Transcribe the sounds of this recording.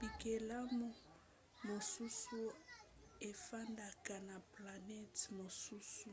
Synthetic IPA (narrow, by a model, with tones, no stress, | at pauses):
pi˨kɛ˨la˦mʊ˦ | mo˨su˦su˦ | e˨fa˦nda˨ka˨na˨pla˨nɛ˦tmo˨su˦su˨